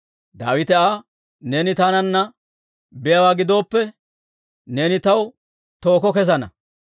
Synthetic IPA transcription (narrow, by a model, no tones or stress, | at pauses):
d̪a̰ːwɪt̪ɛaː | neːnɪt̪aːnɐnːɐ | bɪjɐwaːɡɪd̪o̞ːpːɛ | neːnɪt̪ɐw | t̪o̞ːkɔkɛzɐnɐ̰